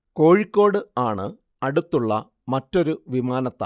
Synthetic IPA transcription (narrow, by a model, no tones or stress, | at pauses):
ko̞ːɻikʲːo̞ːɽɨaːɳɨ | ɐɽut̪ːuɭːɐ | mɐtːo̞ɾuʋimaːnɐt̪ːa̰ː